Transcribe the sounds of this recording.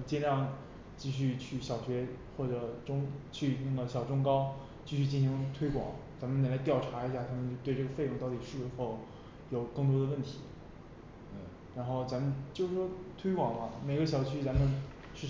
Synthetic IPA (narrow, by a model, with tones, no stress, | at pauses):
t͡ɕjɛ˥nɑ˥˧ŋ | t͡ɕi˥˧ɕ̬y˥˧t͡ɕʰy˥˩ɕjɑ˨˩ʊtʰɥɛ˧˥xwɔ˥˩ʈ͡ʂɤ˨˩ʈ͡ʂʊ˥ŋt͡ɕʰy˥˧na˥˩ɡə˩ɕjɑ˨˩ʊʈ͡ʂʊ˥ŋkɑ˥ʊ | t͡ɕi˥˧ɕy˥˧t͡ɕi˥˩n˩ɕi˧˥ŋt̪ʰwe˥ɪkwɑ̰˨˩˦ŋt͡sa˧˥nmə˨na˨˩la˧˥ɪt̪jɑ˥˩ʊʈ͡ʂʰa˧˥i˧˥ɕja˥˩t̪ʰa˥mə˧nt͡ɕjʊt̪we˥˧ɪʈ͡ʂɤ˥˩ɡə˩fe˥˧ɪʊ˥˩ŋt̪ɑ˥˩ʊt̪i˨˩ʂɻ̩˥˩˧xo˥˩ʊ | jo˨˩ʊkɤ˥˩ŋt̪̬wɔ˥d̪ə˧wə˥˩nt̪ʰi̥˧˥˩ | ɻa˧˥nxo˥˩ʊt͡sa˧˥mə˧nt͡ɕjo˥˧ʊʂɻ̩˥˩ʂwɔ˥t̪ʰwe˥ɪkwɑ˨˩ŋmɐ˦me˨˩ɪɡə˧˦ɕjɑ˨˩ʊt͡ɕʰy˥t͡sa˧˥mə˨˧n | ʂɻ̩˥˩